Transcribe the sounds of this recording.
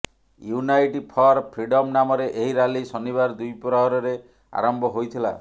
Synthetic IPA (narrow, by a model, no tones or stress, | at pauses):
junajʈipʰɔɾpʰɾiɖɔmnamɔɾeʔeɦiɾalisɔnibaɾd̪ujpɾɔɦɔɾɔɾe | a̰ɾɔmbʱɔɦojt̪ʰila̰